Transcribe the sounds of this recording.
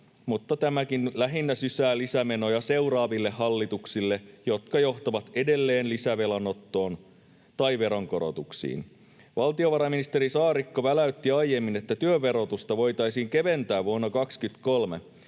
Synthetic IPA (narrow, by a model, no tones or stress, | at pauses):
mut̪ːɑt̪æmækinlæɦinːæsysæːlisæme̞no̞jɑse̞wɾɑːʋilːe̞ːɑlːit̪uksilːe̞jo̞t̪kɑjo̞ht̪ɑʋɑt̪e̞de̞lːe̞ːnlisæʋe̞lɑnot̪ːo̞ːn | t̪ɑjʋe̞ɾoŋko̞ɾo̞̰t̪uksḭːn | ʋɑlt̪io̞ʋɑɾɑminist̪e̞ɾisɑːɾikːoʋælæyt̪ːiɑjje̞mːine̞t̪ːæt̪yøʋe̞ɾo̞t̪ust̪ɑʋo̞jt̪ɑjsiːŋke̞ʋe̞nt̪æːʋʋuonːɑkɑkskyt̪kolme